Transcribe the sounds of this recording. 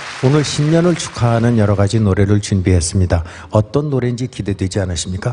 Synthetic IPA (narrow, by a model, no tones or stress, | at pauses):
onɯɭɕʰimɲʌnɯɭt͡ɕʰu̥kʰaɦanɯnjʌɾʌɣad͡ʑinoɾe̞ɾɯɭt͡ɕunbiɦe̞s͈ɯmɲida | ʌt͈ʌnːoɾe̞nd͡ʑikide̞dwe̞d͡ʑianaɕʰimɲik͈a